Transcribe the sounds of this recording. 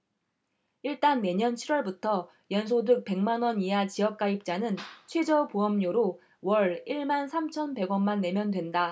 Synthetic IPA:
iɭt͈anːe̞ɲʌnt͡ɕʰiɾwʌɭbutʰʌ | jʌnsʰodɯk̚pe̞ŋmanwʌniɦat͡ɕijʌk̚k͈aip̚t͡ɕ͈anɯnt͡ɕʰwe̞d͡ʑʌpoʌmɲoɾo | wʌɾiɭmansʰamt͡ɕʰʌnpe̞ɡwʌnmːanːe̞mjʌndwe̞nda

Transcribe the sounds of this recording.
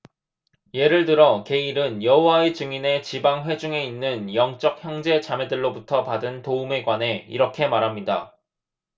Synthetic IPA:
je̞ɾɯɭtɯɾʌke̞iɾɯnjʌɦowaet͡ɕɯŋine̞t͡ɕibaŋɸwe̞d͡ʑuŋe̞inːɯnjʌŋt͡ɕ͈ʌk̚çjʌŋd͡ʑe̞t͡ɕame̞dɯɭːobutʰʌpadɯntoume̞ɡwane̞ḭɾʌkʰe̞maɾɦamɲida̰

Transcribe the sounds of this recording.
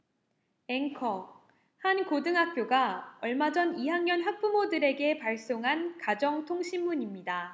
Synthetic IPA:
e̞ŋkʰʌ | hankodɯŋɦak̚k͈joɡaʌɭmad͡ʑʌniɦaŋɲʌnɦak̚p͈umodɯɾe̞ɡe̞paɭs͈oŋɦankad͡ʑʌŋtʰoŋɕʰimːuɲimɲida

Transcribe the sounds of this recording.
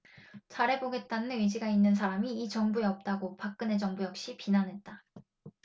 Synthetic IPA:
t͡ɕaɾe̞boɡe̞t̚t͈anɯnɥid͡ʑiɡainːɯnsʰaɾamiːt͡ɕʌŋbueʌp̚t͈aɡopak̚k͈ɯne̞d͡ʑʌŋbujʌkɕ͈ipinanɦe̞t̚t͈a

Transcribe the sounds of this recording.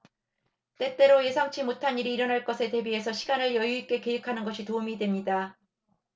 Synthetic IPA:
t͈e̞t͈e̞ɾoje̞sʰaŋt͡ɕʰimotʰaɲiɾiːɾʌnaɭk͈ʌsʰe̞te̞bie̞sʰʌɕʰiɡanɯɭjʌjuik͈e̞ke̞ikʰanɯnɡʌɕʰitoumidwe̞mɲida

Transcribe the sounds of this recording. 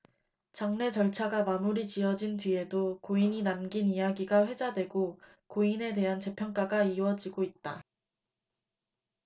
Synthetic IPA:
t͡ɕaŋne̞t͡ɕʌɭt͡ɕʰaɡamamuɾit͡ɕiʌd͡ʑintɥie̞dokoiɲinamɡinijaɡiɡaɸwe̞d͡ʑadwe̞ɡo | koine̞de̞ɦant͡ɕe̞pʰjʌŋk͈aɡaiwʌd͡ʑiɡoit̚t͈a

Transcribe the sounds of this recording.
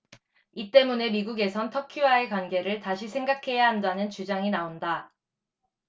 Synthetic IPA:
it͈e̞mune̞miɡuɡe̞sʰʌntʰʌkʰuwae̞kwanɡe̞ɾɯɭtaɕʰisʰe̞ŋɡakʰe̞jaɦandanɯnt͡ɕud͡ʑaŋinaonda

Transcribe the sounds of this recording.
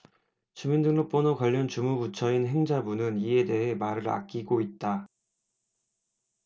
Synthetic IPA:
t͡ɕumindɯŋnop͈onokwaʎːʌnt͡ɕumubut͡ɕʰʌinɦe̞ŋd͡ʑabunɯnie̞de̞ɦe̞maɾɯɾa̰k̚k͈iɡoit̚t͈a

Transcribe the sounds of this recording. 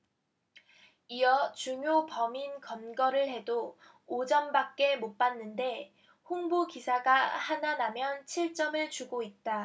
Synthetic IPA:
iʌt͡ɕuŋjopʌminkʌnɡʌɾɯɭhe̞doː | d͡ʑʌmbak̚k͈e̞mop͈anːɯnde̞ | huŋbukisʰaɡahananamjʌnt͡ɕʰiɭt͡ɕ͈ʌmɯɭt͡ɕuɡoit̚t͈a

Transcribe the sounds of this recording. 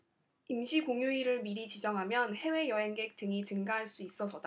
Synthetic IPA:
imɕʰikoŋjuiɾɯɭmiɾit͡ɕid͡ʑʌŋɦamjʌnhe̞we̞jʌɦe̞ŋɡe̞k̚t͈ɯŋit͡ɕɯŋɡaɦaɭs͈uis͈ʌsʰʌd̥a

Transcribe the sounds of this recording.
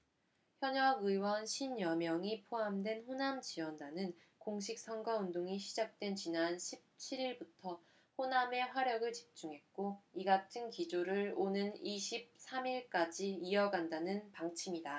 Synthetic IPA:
çjʌɲʌɡɯiwʌnɕʰinjʌmjʌŋipʰoamdwe̞nɸonamt͡ɕiwʌndanɯn | koŋɕ̬ʰik̚s͈ʌnɡwaundoŋiɕʰid͡ʑak̚t͈we̞nt͡ɕinanɕʰip̚t͡ɕʰiɾiɭbutʰʌ | ɸoname̞ɸwaɾjʌɡɯɭt͡ɕi̥p̚t͡ɕ͈uŋɦe̞t̚k͈oiɡatʰɯnkid͡ʑoɾɯɭonɯniɕʰip̚sʰamiɭk͈ad͡ʑiiʌɡandanɯnpaŋt͡ɕʰimida

